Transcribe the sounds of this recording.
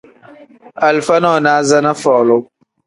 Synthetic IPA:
a˨lfa˦nɔ˦˨naː˦za˦na˦fɔː˨lʊ˦

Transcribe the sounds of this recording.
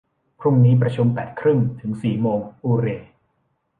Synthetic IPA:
pʰɾu˥˩ŋniː˦˥p̬ɾa˧t͡ɕʰu˧mpɛː˨˩t̪̚kʰɾɯ˥˩ŋt̪ʰɯ˩˦ŋsiː˨˩moː˧ŋʔuː˧ɾeː˧

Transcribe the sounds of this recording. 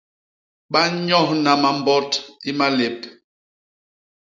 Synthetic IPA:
ɓa˦ɲɔ˦˨hna˨ma˨mbɔ˦ti˦ma˦le˨p̚

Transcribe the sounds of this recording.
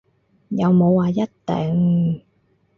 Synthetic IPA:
ja˨˧wmo˨˧˦waː˨˧ja˦˥t̚t̪ɛ̰ː˨˩ŋ

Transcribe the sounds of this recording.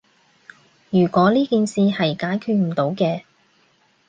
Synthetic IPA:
jyː˨˩kʷɔː˨˥liː˥kiː˨˧nsiː˨˧hɐ˨jkaː˨˥jkʰyː˧t̚m̩˨˩t̪o˨˥wkɛː˧

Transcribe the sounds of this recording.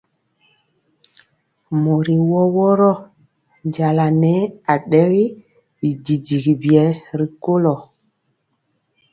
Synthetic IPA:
mo˨ɾi˨wɔ˦wɔ˦ɾɔ˦ | nɟa˨la˨nɛ˦a˨ɗɛ˦ɣi˦ | bi˨di˨di˨ɡi˨bi˨ɛ˨˦ɾi˨ko˦lɔ˨

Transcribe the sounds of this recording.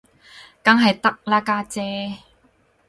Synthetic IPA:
ka˥ŋɦɐ˨jt̪ɐ˥k̚laː˥kaː˥t͡sɛː˦˥

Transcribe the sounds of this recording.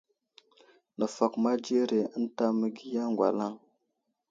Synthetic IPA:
nə˨fa˨kma˦d͡ʒe˦ɾe˨ə˦n˦ta˦mə˨ɡi˦ja˦ŋɡʷa̰˨la˦ŋ

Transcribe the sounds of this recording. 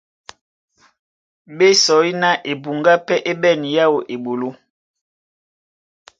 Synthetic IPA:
ɓe˦sɔ˨˦i˦na˦ʔe˨bu˨ŋɡa˦pɛ˦ʔe˦ɓɛ˦˨ni˨ja˦wo˨ʔe˨ɓo˨lo˦

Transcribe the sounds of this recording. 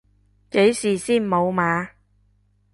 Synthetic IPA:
ke˨˥jsiː˨siː˥˩nmo˨˧wmaː˨˧

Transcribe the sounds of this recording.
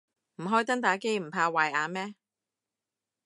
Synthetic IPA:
m̩˨˩ɦɔː˥jt̪̬ɐ˥ŋt̪aː˨˥ke˥jm̩˨˩pʰaː˧waː˨˩jaː˨˧mɛː˥

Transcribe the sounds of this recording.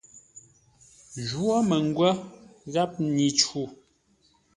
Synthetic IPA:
ʒwɔ˦mə˨ŋ˦ɡwə˦ɣa˦p̚ni˨t͡ʃu˨

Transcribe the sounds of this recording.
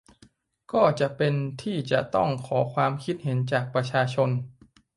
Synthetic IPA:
kɔː˥˩t͡ɕa˨˩pe˧nt̪ʰiː˥˩t͡ɕa˨˩t̪ɔ̰˥˩ŋkʰɔː˩˦kʰwaː˧mkʰi˦˥t̪̚ɦe˩˦nt͡ɕaː˨˩k̚pɾa˧t͡ɕʰaː˧t͡ɕʰo˧n

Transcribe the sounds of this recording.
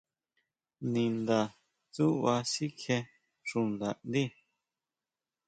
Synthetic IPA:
nĩ˨nd̪a˨ | t͡su˦ʔwa˧si˦kʰe˧ | ʂũ˨nd̪a˨ʔnd̪i˦˨

